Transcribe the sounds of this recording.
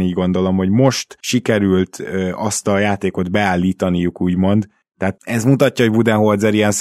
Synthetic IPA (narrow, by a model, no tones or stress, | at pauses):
niːɟɡo̞nd̪o̞lo̞mho̞ɟmo̞ʃt̪ʃikɛɾylt̪ːɒst̪ɒjaːt̪eːko̞d̪bɛaːlːiːt̪ɒnijukuːɟmo̞nd̪ | t̪ɛɦaːt̪ɛzmut̪ɒcːɒɦobud̪ɛnɦord̪zɛɾiɛns